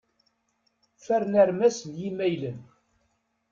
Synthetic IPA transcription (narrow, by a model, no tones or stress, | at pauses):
fæɾnæɾmæsljimæjlən